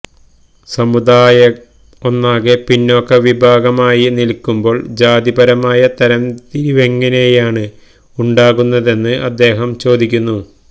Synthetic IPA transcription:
sɐmud̪aːjɐ | onːaːɣepinːo̞ːkːeʋibʱaːɡɐmaːjinilkːumbo̞ːɭd͡ʑaːd̪ibɐɾɐmaːjɐt̪ɐɾɐnt̪iɾiʋeŋːɐne̞jaːɳɨ | uɳɖaːɣunːɐðe̞nːɨʔɐd̪ːe̞ːɦɐmt͡ɕo̞ːd̪ʱikʲːunːu

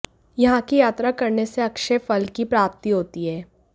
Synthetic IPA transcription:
jɐɦãkijaːt̪ɾakɐɾneseɐkʃefɐlkipɾaːp̚t̪iɦoːt̪iɦɛː

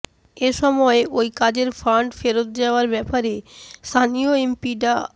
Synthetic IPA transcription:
eʃɔmɔeʔojkad͡ʑeɾfaɳɖfeɾot̪̚d͡ʑaoaɾbɛpaɾest̪ʰanioempiʈa

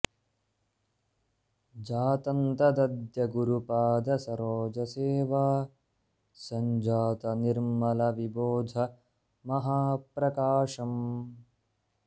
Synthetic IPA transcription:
d͡ʒaːt̪ɐnt̪ɐd̪ɐd̪jɐɡuɾupaːd̪ɐsɐɾoːd͡ʒɐseːʋaː | sɐɲd͡ʒaːt̪ɐniɾmɐlɐʋiboːd̪ʱɐ | mɐɦaːpɾɐkaːʂɐm

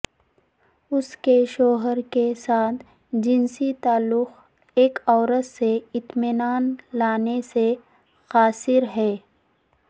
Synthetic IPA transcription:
ʊskeʃoːɦəɾkesaːt̪ʰ | d͡ʒɪnsit̪aːlːʊx | eːkɔːɾət̪seɪt̪mɪnaːnlaːnese | xaːsɪɾɦɛː

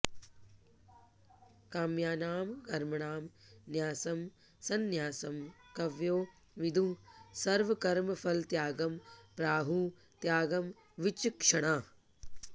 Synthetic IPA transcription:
kaːmjaːnaːmkɐɾmɐɳaːmnjaːsɐm | sɐnjaːsɐmkɐʋjoː | ʋɪd̪ʱũsɐɾʋɐkɐɾmɐfʰɐlt̪jaːɡɐmpɾaːɦũː | t̪jaːɡɐm | ʋɪt͡ʃkʂɐɽ̃aː

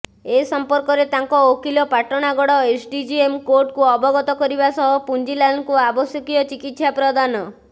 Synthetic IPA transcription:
esɔmpɔɾkɔɾet̪aŋkɔokilɔpaʈɔɽ̃aɡɔɽɔesʰɖid͡ʒiemkoɾʈkuɔbɔɡɔt̪ɔkɔɾibasɔɦɔpund͡ʒilankuabɔsjɔkijɔt͡ʃikit̪sapɾɔd̪anɔ

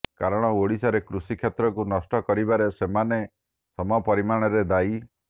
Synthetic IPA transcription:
kaɾɔɽ̃ɔoɽisɔɾekɾusikʰjet̪ɾɔkunɔsʈɔkɔɾibaɾesemane | sɔmɔpɔɾimaɽ̃ɔɾed̪ai

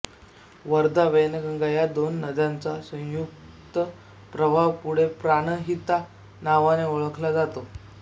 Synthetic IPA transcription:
ʋəɾd̪aʋəjnəɡəŋɡajad̪onːəd̪jant͡sasə̃juk | t̪ə | pɾəbʱaʋpuɽ̤epɾaɽ̃əɦit̪a | naʋaneoɭəkʰlad͡zat̪o

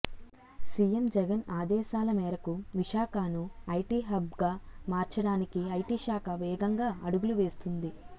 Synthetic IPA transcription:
sijemd͡ʒɛɡɐnaːd̪ɛːʃaːlɐmɛːɾɐkuʋiʃaːkaːnuɐjʈiːɦɐbɡaːmaːɾt͡ʃɐɽaːnikiɐjʈiːʃaːkɐʋɛːɡɐŋɡaːɐɽuɡuluʋe̞ːst̪und̪i

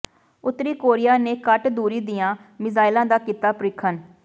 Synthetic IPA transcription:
ʊt̪ːɾiːkoːɾɪjaːneːkəʈd̪uːɾiːd̪ijãːmɪzaːɪlãːd̪aːkiːt̪aːpəɾɪkʰːən

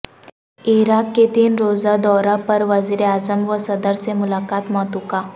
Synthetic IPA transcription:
iɾakːet̪iːnɾod͡zad̪ɔɾapəɾʋəd͡ziɾeazəmʋəsəd̪əɾt͡semulakat̪mɔt̪uka

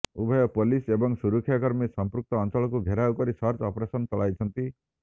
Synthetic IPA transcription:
ubʱɔjɔpolisebɔŋsuɾukʰːjakɔɾmisɔmpɾuk̚t̪ɔːnt͡ʃɔɭɔkuɡʱeɾawkɔɾisɔɾt͡ʃɔpɔɾesɔnt͡ʃɔɭajt͡ʃʰɔnt̪i

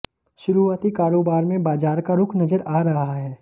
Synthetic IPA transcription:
ʃʊɾuːaːt̪ikaːɾoːbaːɾmẽbaːd͡ʒaːɾkaɾʊkʰnɐzəɾaːɾɐɦaɦaɦɛː

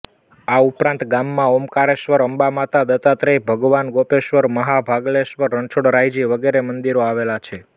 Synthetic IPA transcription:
aupɾãnt̪ɡamːãomkaɾeʃʋəɾəmbamat̪ad̪ət̪at̪ɾebʱəɡʋanɡopeʃʋəɾməɦabʱaɡleʃʋəɾːəɳt͡ʃʰoɽɾajd͡ʒiʋəɡeɾemənd̪iɾoaʋelat͡ʃʰe

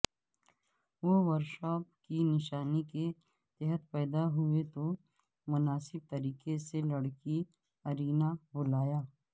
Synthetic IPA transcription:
ʋoʋəɾʃɔːpkinɪʃaːnike | t̪ɛɦət̪pɛːd̪aɦʊet̪o | mʊnaːsɪb̚t̪ɐɾiːkeselɐɽki | ɐɾiːnabʊlaːjaː

